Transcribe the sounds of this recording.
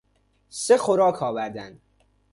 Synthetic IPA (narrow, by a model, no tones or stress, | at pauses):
sexoɾɒːkʰɒːvæɾd̪ænd̪